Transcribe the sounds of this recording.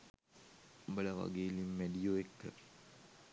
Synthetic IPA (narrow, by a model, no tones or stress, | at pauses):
mbɐlɐʋɐ̰ɡeːlimːeɖijoːekːɐ̰